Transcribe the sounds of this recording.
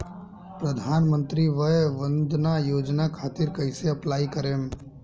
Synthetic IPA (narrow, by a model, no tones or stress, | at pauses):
pɾɐd̪ʱaːnmə̃nt̪ɾiʋəʋə̃nd̪najoːd͡ʒnakʰaːt̪ɪɾkɐɪseɐplaːikəɾẽːm